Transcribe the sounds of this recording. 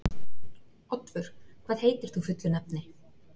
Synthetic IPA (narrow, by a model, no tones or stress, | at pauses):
ɔt̪vʏɾ̥kʰvaːðheːjt̪ɪɾ̥θufʏt̪lʏnɛp̚nɪ